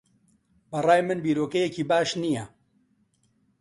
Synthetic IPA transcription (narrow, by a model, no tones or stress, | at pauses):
bɐraːjmɨnbiːɾoːkɛjɛciːbaːʃnijɛ